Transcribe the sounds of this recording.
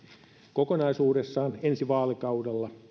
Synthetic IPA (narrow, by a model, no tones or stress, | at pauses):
kokonɑisuːɾesːɑːnensiʋɑːlekɑudelːɑ